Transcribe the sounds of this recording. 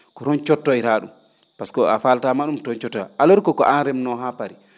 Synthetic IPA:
kɔtɔnt͡ʃɔtːɔjɾaːɗum | paskɔafaltamaɗumtɔnt͡ʃɔtːɔjʔalɔɾkɔkɔ̰ʔanɾɛmnɔɦapaɾi

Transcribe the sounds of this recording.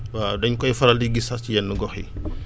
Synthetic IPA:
waːdɐɲkɔjfɐɾɐldiɡisascijɛnːəɡɔxḭ

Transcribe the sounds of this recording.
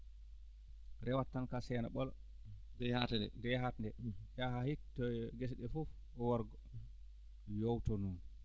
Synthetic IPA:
ɾɛwatːankasɛna̰ɓɔl | dɛhatɛɛ̰ndɛhatndɛɗahahitːɔɡɛs̬ɗɛfɔf | ɔwɔɾɡɔ | jowtɔnun

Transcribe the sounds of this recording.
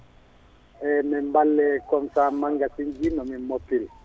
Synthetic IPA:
ɛmɛmbalɛkɔmsamaŋɡasiŋɡinɔmɛmɔpil

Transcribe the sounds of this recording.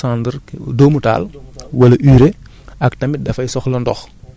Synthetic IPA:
aːndəɾdoːmuta̰ːlwɐlɐʔyːɾe | ɐktɐmidɐfɐjsɔxlɐndɔ̰x

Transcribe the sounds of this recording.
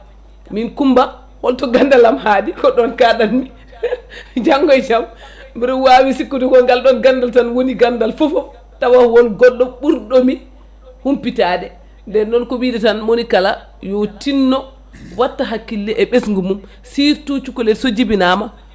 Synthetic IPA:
minkumba | wɔltɔɡandalamhaːdikɔɗɔnkaɗanmi | d͡ʒaŋɡɔjt͡ʃam | biɾuwawisikːudukɔnɡalɗɔnɡandaltanwoniɡandalfɔfɔ | tawawɔlɡɔlːɔɓuɾɗɔmi | humpitaːdɛ | ndɛnːɔnkowidɛtanmonikala | jotinːɔ | watːaɦakːilːɛʔɛɓesŋɡumum | siɾtut͡ʃukɔlɛsod͡ʒibinaːma

